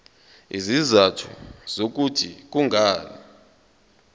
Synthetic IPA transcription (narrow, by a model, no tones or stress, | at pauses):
ḭzizatʰṵz̥ok̬utʰik̬uŋʱaːna